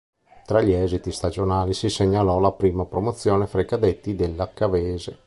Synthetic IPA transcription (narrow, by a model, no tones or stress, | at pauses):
t̪ɾaʎiɛːzit̪ist̪ad͡ʒonaːlisiseɲːalɔlapɾiːmapɾomot̪sːjoːnefɾaikad̪et̪ːid̪elːakːaveːze